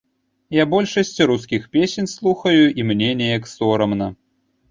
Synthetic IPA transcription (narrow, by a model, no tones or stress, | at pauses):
jabɔlʲʂɐsʲt͡sʲɾuskʲixpʲesʲenʲslˠuxɐjuʔimnʲenʲɛjɐksɔɾɐmnɐ